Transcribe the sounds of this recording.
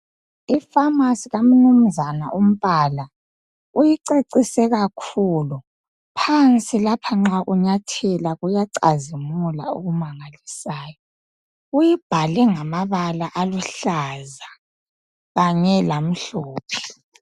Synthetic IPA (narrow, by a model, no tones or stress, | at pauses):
ifamasiɣam̩num̩zana̰ʔum̩βaːla | ujiǀeǀisɛɣakʰulu | pʰant͡sʼilapʰaŋ͡ǁaʔuɲatʰɛlaɣujaǀa̰zimulaṵɣumaŋalisaːjɔ | ujib̥ʱalɛŋamaβalaʔaluɬaza | ɣaɲɛlam̩ɬuːpʰi̥